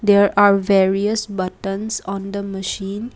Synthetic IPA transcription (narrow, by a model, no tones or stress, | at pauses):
d̪eːɾʔaːɾʋeːɾiəsbʌʈə̃nsɔ̃ːnd̪əməʃĩːn